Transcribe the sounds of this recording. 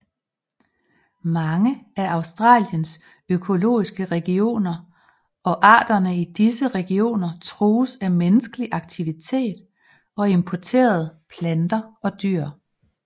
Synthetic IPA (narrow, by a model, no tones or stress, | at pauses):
mɑ̈ŋəæɑ̈ʊsd̥ʁɑ̰̈ːljəns | økʰo̝lo̝̰ːisɡ̥əʁɛɡ̥io̝̰ːnɐ | ɒ̽ʔɑ̰̈ːd̥ɐnəid̥isəʁɛɡ̥io̝̰ːnɐt͡sʰʁuːsæmenəsɡ̥əliʔɑ̈ɡ̥̚t͡sʰiʋit͡sʰe̝̰ːd̥ | ɒ̽e̝mpʰɒt͡sʰe̝̰ːɐð̞̩ˠpʰlænd̥ɐɒ̽d̥yɐ̰